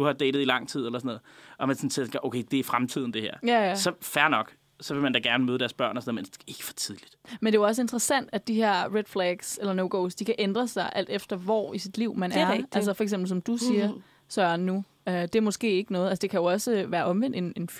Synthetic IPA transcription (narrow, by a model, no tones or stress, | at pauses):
d̥uhɑ̈d̥eɪɾð̩ˠilɑ̈ŋ̰t͡sʰið̞̰ˠelɐsɔnɔ̽ð̩ˠɒ̽mænsɔnsʰesŋʔoʊkʰeɪd̥e̝æfʁamt͡sʰið̞̰ˠn̩d̥e̝heɐ̰jææsɒ̽fæɐnɒ̽ɡ̥ | sɒ̽ʋe̝lmænd̥æɡ̥æɐnəmøːðˠd̥æɐsb̥ɶɐ̰nɒsnɔð̩ˠmene̝ɡ̥ə̥fɒ̥t͡sʰiðˠlid̥mend̥e̝ɒ̽səe̝nd̥ʁɐsæn̰d̥ædd̥iɦe̝ɐ̰ʁed̥fleɡ̥selɐnoʊɡ̥oʊsd̥ikʰæʔend̥ʁɐsɑ̈ɪʔæl̰d̥efd̥ɐʋɒ̰isid̥liʊ̰mænɐ̥ælsɐfɒ̽ɐeɡ̥semb̥l̩sɒ̽md̥usiːɐ | sɶːɐnːu | ød̥e̝æɐmɒ̽sɡ̥e̝̰ːe̝ɡ̥ənɔ̽ːð̩ˠælsəd̥e̝kʰæjo̝ɒ̽səʋæːɐʔɒ̽mʋen̰d̥e̝ne̝nf